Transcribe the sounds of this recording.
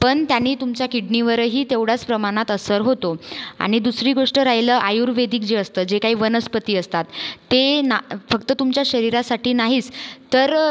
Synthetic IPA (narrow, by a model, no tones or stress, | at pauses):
pəɳt̪janːiːt̪umt͡ɕjakiɽniʋəɾəɦiːt̪eʋɽ̤at͡spɾəmaɽ̃at̪əsəɾɦot̪oa̰ɽ̃id̪usɾiːɡoʂʈəɾaɦjləːʔajuɾʋed̪iːk̚d͡ʑeəst̪əd͡ʑekaɦiːʋənəspət̪iːəst̪at̪ːenafəkt̪ət̪umt͡ɕjaɕəɾiɾasaʈiːnaɦiːt͡st̪əɾ